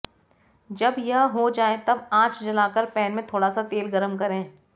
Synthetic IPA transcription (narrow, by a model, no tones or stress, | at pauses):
d͡ʒɐbjɐɦɦod͡ʒaːẽt̪ɐbãːt͡ʃd͡ʒɐlaːkəɾpɛːnmẽt̪ʰoːɽasat̪eːlɡɐɾəmkɐɾẽː